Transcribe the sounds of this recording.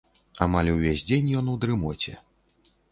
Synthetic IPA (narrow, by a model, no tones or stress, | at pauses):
a̰malʲwvʲesʲd͡zʲenʲjɔnuwd̪ɾɨmɔt͡sʲɛ̰